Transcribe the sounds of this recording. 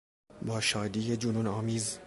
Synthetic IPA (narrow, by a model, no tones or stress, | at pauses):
bɒːʃɒːd̪iːjed͡ʒunuːnɒːmiːz